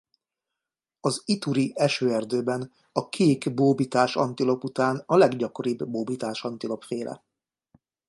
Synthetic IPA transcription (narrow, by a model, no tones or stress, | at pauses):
ɒzit̪uɾiʔɛʃøːɛrd̪øːbɛn | ɒkʰeːkboːbit̪aːʃɒ̰nt̪ilo̞put̪aːnɒlɛɡɟɒko̞ɾibːoːbit̪aːʃɒnt̪ilo̞pfeːlʔɛ̰